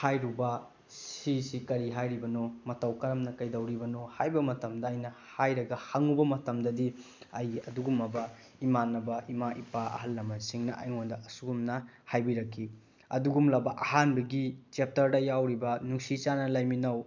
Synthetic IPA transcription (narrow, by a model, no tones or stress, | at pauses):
hajɾubɐ | sisikɐɾiɦajɾibɐnomɐtɐwkɐɾɐmnɐkɐjdɐwɾibɐnohajbɐmɐtɐmdɐjnɐhajɾɐɡɐhaŋubɐmɐtɐmdɐdi | ɐjɐduɡumɐbɐ | imanːɐbɐʔimaʔipaɐ̰ɦɐlːɐmɐnsiŋnɐʔɐ̰jŋondɐɐsuɡumnɐhajbiɾɐkʰːi | ɐduɡumlɐbɐʔɐɦanbɐɡit͡ʃep̚tɐɾdɐjawɾibɐnuŋsit͡ʃanɐlɐjminɐw